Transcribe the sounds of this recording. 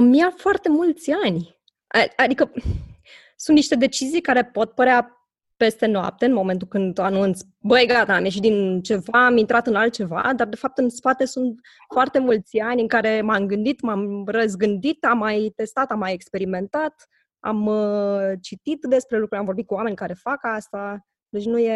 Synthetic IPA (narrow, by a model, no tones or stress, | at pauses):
mːiafoart̪e̞mult̪sʲanʲ | ad̪ikə | sunt̪niʃt̪e̞d̪e̞t͡ʃizijkaɾe̞po̞t̪̚pəɾea | pe̞st̪e̞noa̰p̚t̪eɨnmo̞me̞nt̪̬ukɨnd̪anunt̪sʲ | bəjɡat̪aːmje̞ʃ̬it̪d̪int͡ʃe̞vaːmint̪ɾat̪ɨnalt̪̚t͡ʃe̞va̰d̪ard̪e̞fap̚t̪ɨnspat̪e̞sunt̪ | foart̪e̞mult̪sʲanʲɨŋkaɾe̞mamɡɨnd̪it̪mamrəzɡɨnd̪it̪amːajt̪e̞st̪at̪amːaje̞kspe̞ɾime̞nt̪at̪ | a̰m | t͡ʃit̪it̪d̪e̞spɾe̞lukɾuɾamɱvo̞rbit̪̚kuwame̞nʲkaɾe̞fakast̪a | d̪et͡ʃnuje